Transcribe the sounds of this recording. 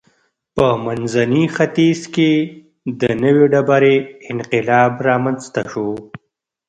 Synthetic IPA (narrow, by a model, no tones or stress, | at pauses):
pəmanzanixat̪izke | d̪ənəweɖabaɾeɪnqɪlɑːbɾɑːmanst̪aʃo